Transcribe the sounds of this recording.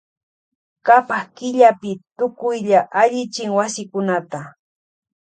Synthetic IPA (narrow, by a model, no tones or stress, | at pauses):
kapahkɪʎapɪt̪ʊkʊjʎaʔaʎɪt͡ʃɪŋwasɪkʊnat̪a